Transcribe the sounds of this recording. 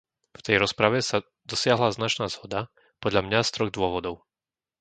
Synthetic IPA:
ft̪ɛjɾɔspɾaʋɛsa | d̪ɔsɪaɦlaznat͡ʃnaːz̥ɦɔd̪a | pɔd̪ʎamɲast̪ɾɔɣd̪ʊɔʋɔd̪ɔʊ

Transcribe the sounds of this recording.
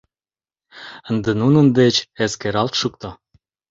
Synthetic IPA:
ənd̪enunənd̪et͡ɕeskeɾɑlt̪ʃuk̚t̪o

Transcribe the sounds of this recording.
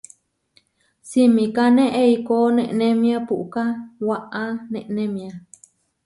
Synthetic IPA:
simĩkanẽʔeikonẽʔnẽmĩapuʔkawaʔãnẽʔnẽmĩa

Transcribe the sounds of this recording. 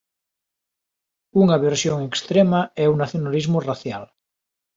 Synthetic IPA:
uŋaβeɾsjoŋekst̪ɾemaɛuŋnaθjonalizmoraθjal

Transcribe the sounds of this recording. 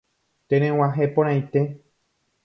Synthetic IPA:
t̪ẽɾ̃ẽw̃ãɦepõɾ̃ãj̃t̪e

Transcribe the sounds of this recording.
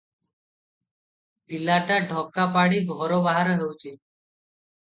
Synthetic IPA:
pilaːʈaɖʱɔːkːapaːɽiːɡʱɔːɾobaːɦaɾəɦewt͡ʃiː

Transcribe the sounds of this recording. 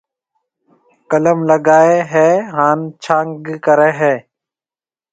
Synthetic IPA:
kələmləɡaːeɦeːɦaːnt͡ʃʰãːŋɡkəɾẽːɦeː

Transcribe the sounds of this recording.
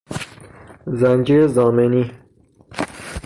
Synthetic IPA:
zænd͡ʒiɾzɑːmeni

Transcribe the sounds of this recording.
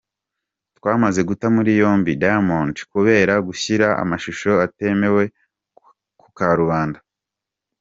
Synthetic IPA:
twaːmaze̞ɡutamuɾijo̞ːmbidamoːntkuβe̞ːɾaɡuçiɾaa̰maʃuʃo̞ate̞me̞we̞ | ku̥kaɾuβaːnda

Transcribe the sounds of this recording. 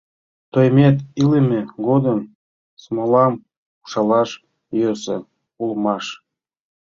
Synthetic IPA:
t̪ojmʲet̪ilemʲeɡod̪əm | smolɑm | u̥ʃɑlɑʃ | jøsḛ | ulmɑʃ

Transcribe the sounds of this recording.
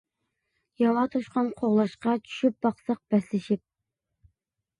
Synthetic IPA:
jɑwɑt̪ʰoʃqɑnqʰoʁlˠɑʃqɑt͡ʃʰy̥ʃyp̚b̥ɑqsɑq̚b̥ɛslɪʃip̚

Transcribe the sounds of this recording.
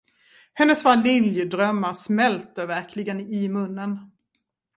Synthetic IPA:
hɛnːəsvalɪljd̪ɾœmːaɾsmɛlt̪əvæɾkʰlɪɡənɪmɵnːən

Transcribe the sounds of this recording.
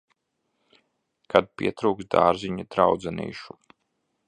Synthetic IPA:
kad̪̚pʲiɛt̪ɾuːksd̪a̰ːɾziɲad̪ɾawd̪zɛnḭːʃu̥

